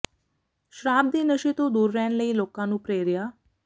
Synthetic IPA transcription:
ʃɾaːb̚d̪iːnəʃit̪õd̪uːɾːɛːnləiːloːkãːnũːpɾeːɾjaː

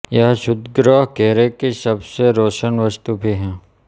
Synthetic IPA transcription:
jɐɦʃʊd̪ɡɾaːɦkeːɾekisɐbseɾoːʃənʋəst̪ubʱiɦɛ̃ː

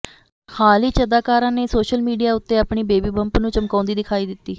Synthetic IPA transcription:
xʰaːliːt͡ʃəd̪aːkaːɾãːneːsoːʃəlmiːɖijaːʊt̪ːeːapɳiːbeːbiːbəmpnũːt͡ʃəmkɔ̃ːnd̪iːd̪ɪkʰaːiːd̪ɪt̪ːiː

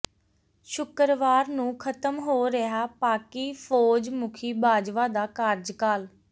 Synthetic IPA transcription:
ʃʊkəɾʋaːɾnũːkʰət̪əmɦoːɾeɦaːpaːkiːpʰoːd͡ʒmʊkʰiːbaːd͡ʒʋaːd̪aːkaɾd͡ʒkaːl

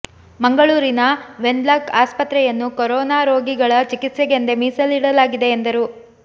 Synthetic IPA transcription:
mɐŋɡɐɭuːɾinɐʋe̞ɳɖ̪laːkaːspɐt̪ɾɛjɐnːukɔɾɔːnaːɾo̞ːɡiɡɐɭɐt͡ʃikit̪sɛɡe̞nd̪e̞miːsɐliɽɐlaːɡid̪e̞ːnd̪ɐɾu

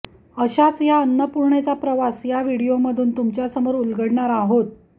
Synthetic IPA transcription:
əɕat͡sjaənːəpuɾɳet͡sapɾəʋasjaʋiɽijoməd̪ʱuːnt̪umt͡ɕjasəmoɾulɡəɽɳaɾaɦot̪̚

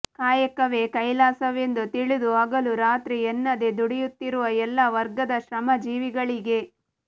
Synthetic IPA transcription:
kaːjɐkɐʋe̞kɐjlaːsɐʋe̞nd̪ut̪iɭid̪uaːɡɐluɾaːt̪ɾiɛnːɐd̪ed̪uɽɛjut̪ːiɾuʋɐɛlːɐʋɐɾɡɐd̪ɐʃɾɐmɐd͡ʒiːʋiɡɐɭiɡe̞

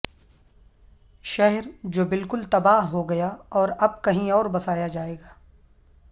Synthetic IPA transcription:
ʃɛɦɛɾd͡ʒoːbɪlkʊlt̪ɐbaːɦɦoɡɐjaɔːɾɐb̚kɐɦĩɔːɾbɐsaːjad͡ʒaːeːɡaː

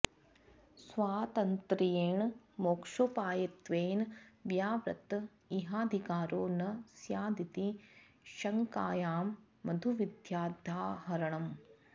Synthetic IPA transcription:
sʋaːt̪ɐnt̪ɾijeːɳmoːkʂoːpaːjɐt̪ʋeːnʋjaːʋɾɐ̰t̪ | iɦaːd̪ʱikaːɾoːnɐsjaːd̪it̪i | ʃɐŋka̰ːjaːmː | ɐd̪ʱuʋid̪ʱjaːd̪ʱaːɦɐɾɐɳɐm

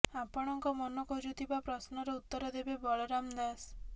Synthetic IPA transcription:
apɔɽ̃ɔŋkɔmɔnɔkɔd͡ʒut̪ʰibapɾɔsnɔɾeut̪ːɔɾɔd̪ebebɔɭɔɾamd̪as

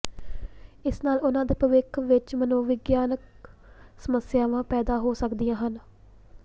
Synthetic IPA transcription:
ɪsnaːlʊnãːd̪eːpəʋɪkʰʋɪt͡ʃmənõːʋɪɡjaːnək̚ | səməsɪjaːʋãːpɛːd̪aːɦoːsəkd̪ijãːɦən

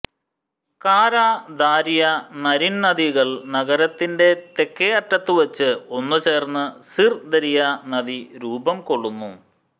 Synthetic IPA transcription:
kaːɾaːd̪aːɾijɐnɐɾinnɐd̪iɣɐɭnɐɣɐɾɐt̪ːinde̞t̪e̞kːejɐʈːɐt̪ːɨʋɐt͡ɕːɨo̞nːɨt͡ɕe̞ːrnːɨsird̪ɐɾijɐnɐd̪iɾuːbɐmko̞ɭːunːu

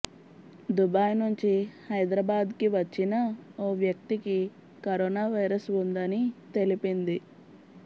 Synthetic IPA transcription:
d̪ubaːjnuɲt͡ʃihɐjd̪ɾɐbaːd̪kiʋɐt͡ʃːinɐoːʋjɐk̚t̪iki | kɐɾoːnaːʋɐjɾɐsund̪ɐnit̪e̞lipind̪i

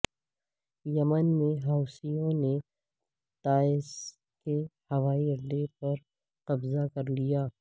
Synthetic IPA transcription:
jɐmənmẽɦaːʊsijõne | t̪aːɪs | kehɐʋaːiɐd̪epɐɾ | qɐbzakɐɾlijaː

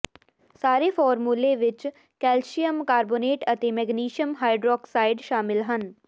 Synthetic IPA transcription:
saːɾefʰɔːɾmuːleʋɪt͡ʃ | kɛːlʃijəmkaːɾboːneːʈɐt̪emɛɡniːʃiəmɦaːɪɖɾɔːksaːɪɖʃaːmɪlɦən

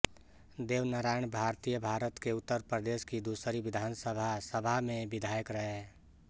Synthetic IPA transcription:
d̪eːʋnəɾaːjəɳbʱaɾt̪ijəbʱaɾət̪keʊt̪ːəɾpɾəd̪eːskid̪usəɾiʋɪd̪ʱaːnsəbʱasəbʱamẽbɪd̪ʱajəkɾəɦe

